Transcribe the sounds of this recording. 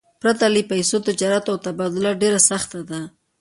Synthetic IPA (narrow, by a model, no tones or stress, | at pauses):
pɾat̪alipajsot̪ɪd͡ʒɑɾat̪awt̪abɑd̪ʊlaɖeɾasaxt̪ad̪a